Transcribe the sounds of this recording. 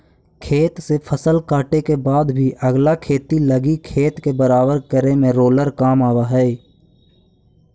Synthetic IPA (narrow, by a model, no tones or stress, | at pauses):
kʰeːt̪sepʰəsəlkaːʈekebaːd̪bʱiʔəɡlakʰeːt̪iləɡikʰeːt̪kebəɾaːbəɾkəɾemẽɾoːləɾkaːmaːwaɦɛː